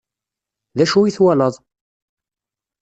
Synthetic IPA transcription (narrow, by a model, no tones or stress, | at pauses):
ðæʃuiθwæləðˤ